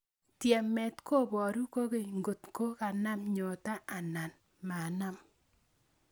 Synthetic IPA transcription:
tjɛ˨mɛ˨tko˦˨bɔ˨ɾu˦ko˦ke˨ŋɡo˨tko˦ka˨na˦mɲo˨ta˦ʔa˨na˨n | ma˨na˦m

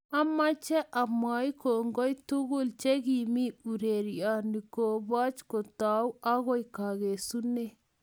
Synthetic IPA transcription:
a˦ma˦t͡ʃɛ˦ʔa˨mwa˨i˦ko˨ŋɡo˦jtu˦ɣʊ˦lt͡ʃe˦ɡi˨mi˦u˨ɾe˨ɾja˨ni˨ko˨ba˦t͡ʃko˨ta˨u˦a˦ɣɔ˦i˨ka˨ɣe˨su˦ne˦˨

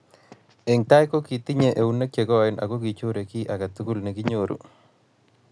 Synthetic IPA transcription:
e˨ŋta˦jko˦ki˨ti˦ɲe˨ʔe˨u˦nːe˦kje˨ɡɔ˦˨ɪ˨nʔa̰˨ko˦ki˨t͡ʃo˦ɾe˨ki˦ʔa˨ɡa˨t̪u˦ku˦lne˨ki˦ɲoɾṵ˨

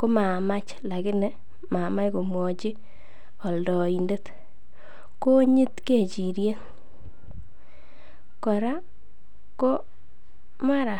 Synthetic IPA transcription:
ko˦ma˨ma˦t͡ʃ | la˨kɪ˦nɛ˦ | ma˨ma˦jko˨mwɔ˨t͡ʃi˦ | ɔ˨ldɔ˨i˨nde˦t | ko˦ɲi˦tke˦˨t͡ʃi˨ɾje˦n | kɔ˨ɾa˦ | ko˦ | ma˦ɾa˨

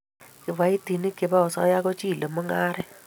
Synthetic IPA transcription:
kɪ˨βa˦i˦ti˨ni˦kɪ˨ba˦ɔ˨sɔ˦ja˦kɔ˦t͡ʃi˦˨lo˨mo˦ŋa˦ɾɛ˦

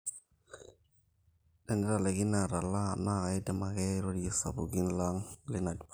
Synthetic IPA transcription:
dɛ˨nɛ˦ɾa˨le˨ɡi˦na˨ɾa˨la˦˨na˦˨ɣa˨i˦dɛ˨ma˨ɡɛ˦ɾo˦di˨ji˦sa̰˨bu˨ɡi˦n˦la˦ŋli˦na˨d

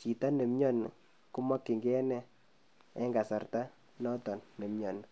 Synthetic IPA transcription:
t͡ʃi˨ta˦ne˨mɲɔ˦n˨ | ku˦ma˦kːi˨ŋɡɛ˦nɛ˦ | ɛ˦ŋɡa˨sa˨rta˦ | nɔ˦tɔ˨nːe˨mɲɔ˨n˨

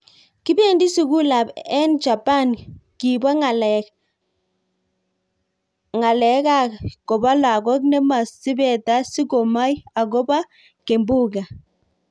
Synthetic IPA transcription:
ki˦be˨ndi˦su˨ku˦la˨bɛ˦nt͡ʃa˨pa˦˨nki˨ba˦ŋa˨l | ŋa˨lɛ˨˦ka˦ko˨ba˦la˨ɡɔ˦knɛ˦ma˨si˦bɛ˨ta˦si˦ko˨ma˦ja˨ko˦ba˦ | ke˨mbu˦ɡa˨

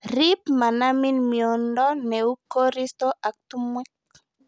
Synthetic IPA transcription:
ɾi˦pma˨na˦mi˦nmjo˨ndɔ˦ne˨u˦ko˦ɾi˦st̪o˦ʔa˨k̚t̪u˦mwɛ˦k

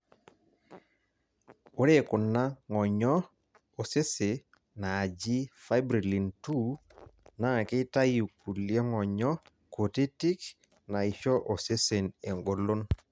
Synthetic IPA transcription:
o˨˦ɾe˦˨kʊ˨nːa˦ŋɔ˨ɲɔ˦ | o˨se˦se˨ | naː˨d͡ʒi˦fa˦jbɾi˨li˨ntu˦ | na˦˨kɪ˦ta˦ju˨ku˨ljɔ˦ŋɔ˨ɲɔ˦ | ko˨te˦tɪ˦k | na˨i˨ʃɔ˦ʔo˨se˦se˨ne˨ŋɡo˨lo˦n

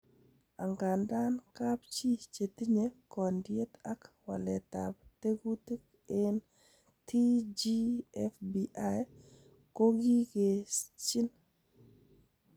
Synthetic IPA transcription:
a̰˨ŋɡa˨nda˦nka˦p̚t͡ʃi˦t͡ʃe˨ti˦ɲe˦kɔ˨ndje˦ta˦kwa̰˨lɛ˨ta̰˨p̚te˦ɡu˦ti˦k | ɪ˦n | tʰi˦d͡ʒi˦ɛ˦fbiʔa˦j | ko˦ɡi˦ke˨st͡ʃi˦n

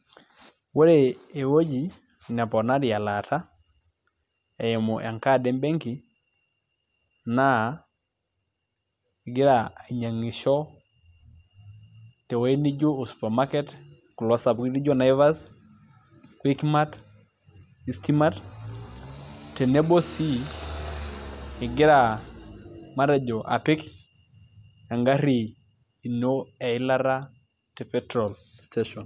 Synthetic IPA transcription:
wo˦ɾe˨e˨wo˦d͡ʒi˨ | na˨pɔ˨na˦ɾi˨a˨la˨tʰa˦ | ɛ˨e˨mɔ˨ʔa˨ŋka˦dɛ˦mbɛ˦ŋki˨ | na˦˨ | ɡɪ˦ɾa˨a˨ɲa˨ŋi˨ʃɔ˦ | tɛ˨wa˦i˦ni˦d͡ʒo˦o˨su̥˨pa˨ma˦kɛ˦tku˨lɔsa˨bi˦ni˦d͡ʒɔ˦na˨jva˦s | kwi˦kma˦t | i˨sti˦ma˦t | te˨ne˦bo˦si˦ | ɪ˨ɡɪ˦ɾa˨ | ma˦ɾe˨d͡ʒɔ˨ʔa̰˨pɪ˦k | a˨ŋɡa˦ɾiː˨ | no˦ɛ˨ɪ˦la˦ɾa˦te˨pɛtɾɔ˨lsteʃɔ˨n

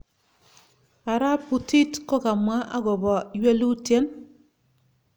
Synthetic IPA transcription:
a˨ɾa˦pu˨ti˦tkɔ˦ka˨mwa˦ʔa˦ɡɔ˨bɔ˨jwe˦lu˦tje˦n

